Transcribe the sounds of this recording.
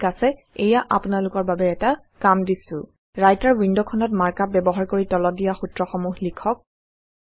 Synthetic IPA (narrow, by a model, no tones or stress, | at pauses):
kasɛ | ejaʔa̰pʊnalʊkɔɹbabɛɛta | kamdisʊ̰ | ɹajtaɹwindɔkʰɔnɔt̚maɹkap̚bɛbɔɦaɹkoɹitɔlɔdijaxutɹɔxɔmuɦlikʰɔk̚